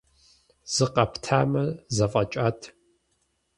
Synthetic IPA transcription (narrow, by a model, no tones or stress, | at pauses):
z̥ɨqɐptʰaːmɐzɐfʼɐt͡ʃʼaːtʰ